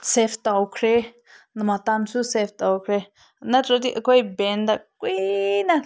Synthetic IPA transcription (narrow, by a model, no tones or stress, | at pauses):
seft̪akʰɾe | nãmãt̪amsuseft̪akʰɾe | nãɾot̪iʔakʷajbend̪akʷinã